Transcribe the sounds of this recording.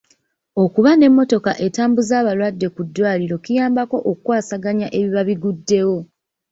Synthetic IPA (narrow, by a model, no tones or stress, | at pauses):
o̞kuβane̞mːo̞to̞kaʔetaːmbuzaːβalwadːe̞kudːwaːliɾo̞kijaːmbako̞ʔokukwaːsaɡaɲaʔe̞βiβaβiɡudːe̞wo̞